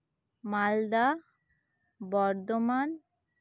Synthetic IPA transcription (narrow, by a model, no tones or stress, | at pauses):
mald̪a | bɔɾd̪oman